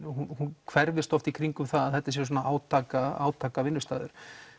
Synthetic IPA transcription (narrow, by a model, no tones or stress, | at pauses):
hunhunkʰvɛɾvɪst̪ɔft̪ikʰɾiŋkʏmθaðaðɛt̪ːɪs̬jɛɾs̬ɔːnaʔaːwt̪ʰaːkaa̰ːwt̪ʰaːkavɪnːʏst̪aːðʏɾ̥